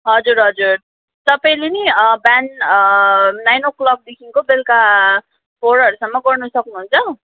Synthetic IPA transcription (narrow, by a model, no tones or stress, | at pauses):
ɦʌd͡zuɾɦʌd͡zur | t̪ʌpãĩleniban | najnoklʌk̚d̪ekʰiŋkobelka | pʰoɾʌɾusʌmːʌɡʌrnʌsʌknuɦunt͡sʰʌ